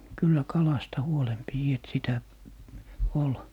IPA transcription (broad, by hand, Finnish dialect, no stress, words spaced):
kylːæ kɑlɑstɑ huolem piji et sitæ ol